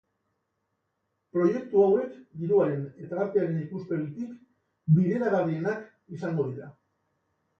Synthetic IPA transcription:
pɾo̞je̞k̚t̪uawe̞kɡ̪iɾuaɾe̞net̪aɣaɾt̪eaɾe̞nikuspe̞ɾut̪ik | biðe̞ɾaɣaɾðienak | isaŋɡo̞ðiɾa

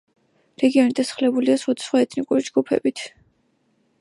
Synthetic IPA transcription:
ɾɛɡiɔnid̪ʰʼasχlɛbuliasχwad̪ḁsχwaɛt̪ʰnikʼuɾid͡ʒɡupʰɛ̰bit̪ʰ

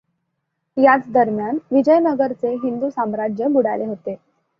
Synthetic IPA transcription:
jat͡sd̪əɾmjanʋid͡ʑəjnəɡəɾt͡seɦind̪uːsamɾad͡ʑjəbuɽajleɦot̪e

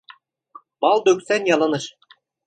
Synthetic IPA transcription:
mɑlˠd̪ɵksænʲjɑlˠɤ̆nɤ̆ʃ

